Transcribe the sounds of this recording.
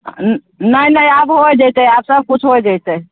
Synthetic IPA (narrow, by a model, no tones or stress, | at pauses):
nənəjabɦoɛd͡ʒajt̪eabsəb̚kut͡ʃʰɦojd͡ʒajt̪e